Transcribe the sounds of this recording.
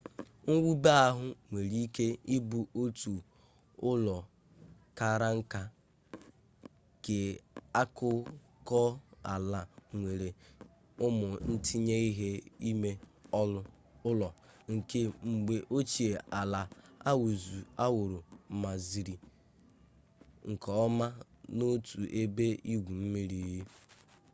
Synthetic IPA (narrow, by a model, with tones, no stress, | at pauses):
ŋ̩˦wu˦ba˦a˦ɦʊ˦ŋʷe˨ɾi˦i˦ke˦i˦bu˦o˦tu˨ | ʊ˦lɔ˨ | ka˦ɾa˦ŋ̩˦ka˦ | ke˨a˦kʊ˦ | kɔ˦a̰˨la˨ŋʷe˨ɾe˨ | ʊ˦mʊ˨n̩˦tʰi˦ɲe˦i˦ɦe˦i˦me˦ɔ˦lʊ˦ | ʊ˦lɔ˨ŋ̩˨ke˦ŋ͡m̩˨ɡ͡be˨ʔo˦t͡ʃi˨e˨a˨la˨a˦wu˨zu˨a˦wʊ˨ɾʊ˨ma˨zi˨ɾi˨ | ŋ̩˨kɔ˨ɔ˦ma˦ | no˦tʰu˨ʔe˦be˦i˦ɡʷu˨m̩˦mi˦ɾi˨ji˦